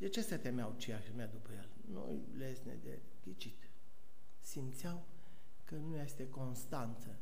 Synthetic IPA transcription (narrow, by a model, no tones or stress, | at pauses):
d̪et͡ʃe̞sət̪emjawt͡ʃiaʃilmead̪upəjel | no̰j | lesnḛd̪ḛ | kʲit͡ʃit̪ | simt̪sʲjaw | kənujajest̪e̞ko̞nst̪ant̪sə